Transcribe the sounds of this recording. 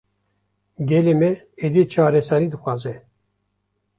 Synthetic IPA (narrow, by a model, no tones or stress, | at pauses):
ɡʲɛlemɛ | ed̪it͡ʃʰɑːɾɛsɛɾiːd̪ɨxʷwɑːzɛ